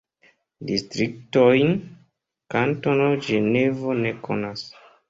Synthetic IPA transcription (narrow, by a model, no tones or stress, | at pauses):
distɾik̚tojn | kantonod͡ʒenevo̞ne̞kʰo̰nas